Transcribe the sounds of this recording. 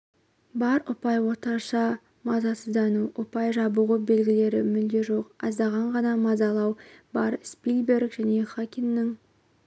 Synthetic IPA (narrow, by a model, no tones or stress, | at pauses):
bɑɾʊpɑjwo̞t̪əɑɾʃɑ | mɑzɑsəzd̪ɑnuʔʊpɑjʒɑbuʁəbe̞lɡʲɪle̞ɾɪ̰mʏld̪e̞ʒo̞qɑzd̪ɑʁɑɴʁɑnɑmɑzɑlˠɑwbɑɾspilbe̞ɾkʒ̥æne̞χakʲinːɪŋ